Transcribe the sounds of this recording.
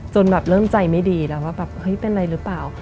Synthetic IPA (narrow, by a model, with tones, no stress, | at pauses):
t͡ɕo˧nbɛː˨˩p̚lɤː˥˩˨mt͡ɕa˧jma˥˩jdiː˧lɛː˧˦˥waː˥˩bɛː˨˩p̚hɤ˦˥jpe˧n˧ɾa˧jɾɯː˦˥plaː˨˩w